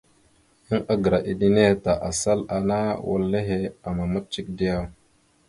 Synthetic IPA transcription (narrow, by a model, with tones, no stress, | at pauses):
ji˦ŋa˦ɡə˨ɾa˨ʔi˦di˦ne˦˨ta˨ʔa˨sa˦la˨na˦wo̰˨lːe˦ɦe˦a˨ma˨ma˦t̚t͡ʃi˦k̚di˦ja˦˨